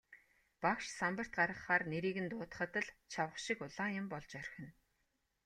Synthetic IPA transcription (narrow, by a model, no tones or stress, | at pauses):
pakʃsampə̆r̥t̪̚ɢaɾə̆χːaːrneɾiːɣɘ̆nt̪ʊːt̪̆χə̆t̪ə̆ɮt͡ɕʰawə̆χʃikʊɮaːjʊ̆mpɔɮt͡ɕœrxʲɘ̆n